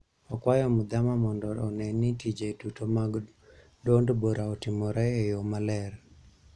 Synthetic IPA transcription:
ɔkwajɔmʊd̪amamɔndɔɔnɛnːitid͡ʒetutomaɡ | dondboɾaɔtɪmɔɾɛejomalɛr

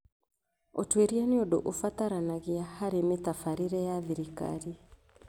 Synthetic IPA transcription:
otweɾianeɔdo̰ʔofataɾanaɣeahaɾemetafaɾiɾɛjaðiɾika̰ɾi

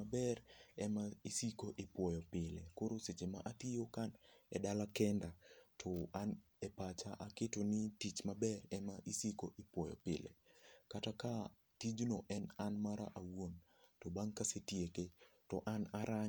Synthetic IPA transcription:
abɛrɛmaisikoʔɪpwɔjɔpɪlekoɾoset͡ʃemaʔat̪ijokanɛdalakɛndatʰɔan | ɛpat͡ʃaʔaketonɪtit͡ʃmabɛrɛmaʔisikoʔɪpwɔjɔ̰pɪ̰lḛkataka | tid͡ʒnɔʔɛnanmaɾa̰ʔawon | tɔbaŋkasetjeketɔʔanaɾa

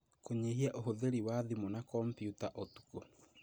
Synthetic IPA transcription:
koɲeɦiaʔoɦoðeɾiwaðimonakɔmpjutaʔotu̥ko

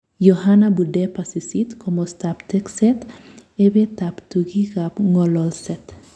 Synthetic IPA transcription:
johanabudepasisit̪kʰomost̪apt̪ekset̪ebet̪apt̪uɡikapŋolɔlset̪

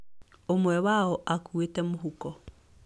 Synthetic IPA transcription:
omwɛwaɔʔakuetɛmoɦukɔ

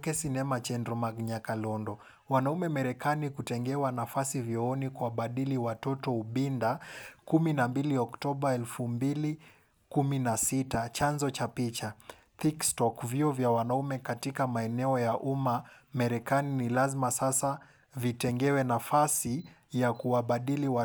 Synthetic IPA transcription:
kɛsinɛmat͡ʃɛndɾɔmaɡɲakalɔndɔ | wanaumɛmaɾɛkanikutɛŋɡɛwanafasivjɔɔnikuwaɓaɗiliwatɔtɔuɓindakuminambiliɔktɔɓaɛlfumbili | kuminasitat͡ʃanzɔt͡ʃapit͡ʃa | θikstɔkviɔvjawanaumɛkatikamaɛnɛɔjaʔumamaɾɛkaninilazimasasa | vitɛŋɡɛwɛnafasi | jakuwaɓaɗiliwa

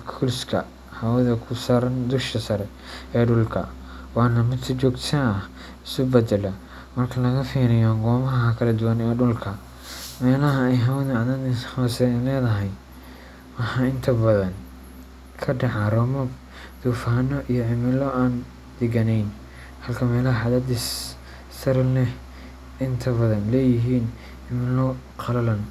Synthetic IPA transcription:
kʰulskʰɐ | hɐwɐðɐkʰʊsaːɾɐnd̪ʊʃkʰɐsɐɾɛ | ɛːɖʊlkʰɐ̰ | wɑːnɐmɪsʰɐt͡ʃɔːɡt̪sɐnɐh | ɪsʊbɛd̪ɛlɐ | mɐrkʰɐlɐɣɐfiːɾɪjaŋɡɔːmɐɦɐɦɐkʰɐlɐd̪ʊwanɛːɖʊlkʰɐ | mɛːlɐɦɐɛjɦɐwɐðɐɐðɐnħɔːsɛlɛːðɐɦɛj | wɑħɑːɪnt̪ʰɐbɐðɐn | kʰɐɖɑʕɑɾɔmɔb | d̪̥uːfaːnɔʔijɔʕɪmɪlɔʔaːn | d̪̥ɛɡɐnɛjn | hɐlkʰɐmɛːlɐhɐħɑðɐd̪is | sɐɾnɛ | ɪnt̪ʰɐβɐðɐnlɛːjɪɦiːn | ʕɪmɪlɔ | qʰɑlɐlɐn

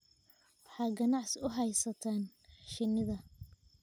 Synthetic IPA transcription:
wɑħɑːɡɐnɑʕsɪʊɦɛjsɐt̪ʰaːnʃɪnɪðɐ

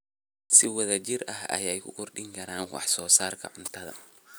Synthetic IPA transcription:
sɪwɐðɐt͡ʃɪrʔɐɦɐ̰jɛjkʰʊ̰kʰɔrɗɪŋkʰɐɾaːnwɑ̰ħsɔːsaːrkʰɐ̰ʕʊnt̪ʰɐðɐ̰

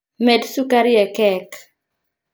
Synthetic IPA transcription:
mɛdsukaɾjɛkɛk

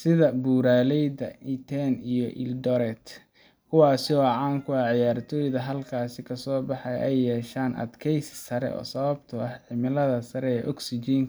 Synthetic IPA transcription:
sɪðɐbuːɾaːlɛjdɐit̪ʰɛnijɔʔɪ̰ldɔɾɛt̪ | kʰʊwɑːsɪɔːʕaːŋkʰʊaʕɪjaːrt̪ʰɔːjðɐɦɐlkʰaːsɪkʰɐsɔːbɑħɑjʔɛjːɛːʃaːnʔɐ̰d̪kʰɛjssɐɾɛ̰ɔ̰ːsɐβɐbt̪ʰʊɐħʕɪmɪlɐðɐsɐɾɛɛːʔɔɡsit͡ʃiːŋ

